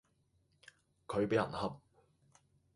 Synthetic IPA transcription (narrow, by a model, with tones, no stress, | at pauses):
kʰɵ˨˧ɥpe˨˥jɐ̰˨˩nhɐ˨p̚